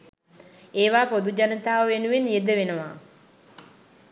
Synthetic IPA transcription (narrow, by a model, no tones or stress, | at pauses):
eːʋaːpod̪ud͡ʒanət̪aːʋəʋenuʋenjed̪əʋenəʋa